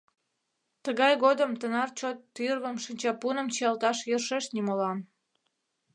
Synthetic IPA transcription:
t̪əɣɑjɣod̪əmt̪ənɑrt͡ɕot̪ːyrβəmʃənʲt͡ɕɑpunəmt͡ɕiɑlt̪ɑʃjərʃeʃnimolɑn

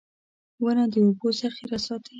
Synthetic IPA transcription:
wənad̪əobosaxiɾasɑt̪ə

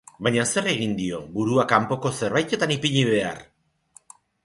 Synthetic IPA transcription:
bajɲase̞re̞ɣind̪io̞buɾuakampo̞ko̞se̞ɾβajt̪e̞t̪anipiʎiβe̞a̰r

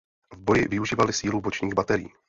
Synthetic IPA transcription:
vbo̞jɪvɪuʒiːvalɪsiːlubot͡ʃɲiːɣbat̪ɛɾɪḭː

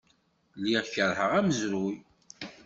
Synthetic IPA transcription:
lːiʁçəɾhəʁæməzɾuj

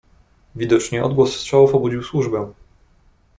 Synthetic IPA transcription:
vʲid̪ɔt͡ʂɲɛʔɔ̰d̪̚ɡwɔsːtʂawufɔbud͡ʑiwswuʐbɛ̃

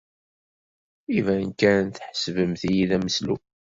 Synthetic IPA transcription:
ivænkænnθħəsvəmθijiðæməslu

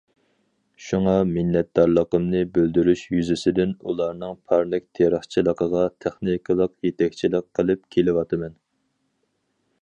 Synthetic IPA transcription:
ʃuŋɑmɪnːɛt̪̚d̪ɑɾlˠəqəmnɨbøld̪yɾyʃjyzɪsɪd̪ɪnulˠɑɾnɨŋpʰɑɾnɪk̚ʲt̪ʰeɾəχt͡ʃʰilˠəqəʁɑt̪ʰæχnikʰəlˠəqjet̪ʰɛkʲt͡ʃʰilɪkʰːəlˠɪp̚kʲʰelɪwɑt̪ʰɨmɛn

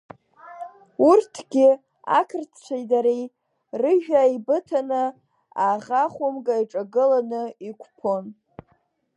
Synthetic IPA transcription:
urtʰɡ̥ʲɪ | a̰kʰɨrt͡sʰt͡ʃʷʰajdaɾej | rɨʒᶣaibɨtʰanɨ | aʁaχʷʊmɡʼaiʈ͡ʂʼaɡɨlanɨikʷʰpʰo̞n

